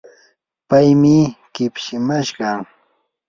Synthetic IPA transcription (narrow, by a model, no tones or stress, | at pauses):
pajmɪkɪpʃɪmaʃkɑ